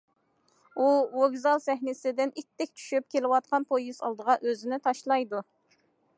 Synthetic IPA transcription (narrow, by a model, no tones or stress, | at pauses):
uwoɡʲzɑlˠsɛɦnɪsɪd̪ɪnit̪ːɛk̚ʲt͡ʃʰy̥ʃyp̚kʲelɪwɑt̪̚qʰɑnpʰojisɑ̰lˠd̪əʁɑʔøzɪnɪt̪ʰɑʃlˠɑjd̪u